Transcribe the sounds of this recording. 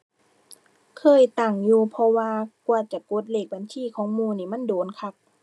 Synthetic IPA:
kʰɤː˧˥˨jt̪aː˨˩ŋjuː˧pʰɔ˧waː˧ku˧t͡ɕa˨˩ko˧˦t̪̚leː˧˩k̚ba˨˦nsʰiː˧˨kʰɔː˨˦ŋmuː˧˩niː˧˩ma˧˥˨ndoː˨˦nkʰa˧˥k̚

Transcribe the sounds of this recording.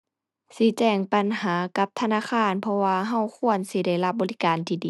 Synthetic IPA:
si˧˦t͡ɕɛː˧˩ŋpa˨nhaː˨˦ka˧˦p̚t̪ʰa˧naː˧˨xʰaː˧˥˨npʰɔ˧waː˧ɦa˧˩˨wkʰu˧˨ənsi˧˦da˧˥˩jla˧p̚bɔː˨li˦˧kaː˨nt̪ʰiː˧˩diː˨˦

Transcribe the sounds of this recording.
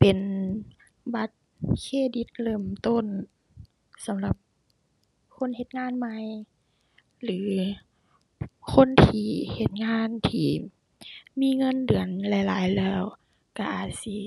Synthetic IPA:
pe˨n | ba˧˦˥t̪̚ | kʰeː˧˩di˧˦t̪̚lɤː˧˩mt̪o˧˥˨n | sa˨˦mla˧˦p̚ | kʰo˧˥˨nhe˧t̪̚ŋaː˧˥˨nma˧˥j | lɯː˨˦ | kʰo˧˥˨nt̪ʰiː˧he˧˦t̪̚ŋaː˧˥˨nt̪ʰiː˧˩ | miː˧˥˨ŋɤ˧˥˨ndɯ˨˩ənla˧˦jlaː˨˦jlɛː˧˩w | ka˧ʔaː˨˩si˧˦

